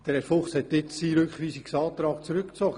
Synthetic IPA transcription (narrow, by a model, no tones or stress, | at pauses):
d̥ɛɾɛɾfʊχshɛtːɪtsiɾøkχʋiːsiksɑːt̪ɾɑːkt͡sɾʏkt͡sɔɡ̥ə